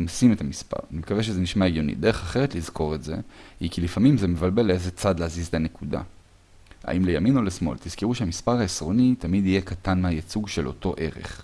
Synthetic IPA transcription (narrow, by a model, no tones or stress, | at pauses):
msimetamispa̰ʁnimkaveʃ̬ezeniʃmaeɡjo̞nḭd̪e̞eχaχe̞ʁetlizko̞ʁe̞tze̞hikilifamimzeme̞valbe̞lezet͡sad̪leːzizet̪ane̞kuda̰ | ha̰ʔimlejamino̞lesmo̞̰lt̪iz̥kiʁuʃeamispaʁhaesʁo̞nitamid̪ije̞katanmehajat͡suɡʃe̞lʔo̞̰to̞ʔe̞ʁe̞̰χ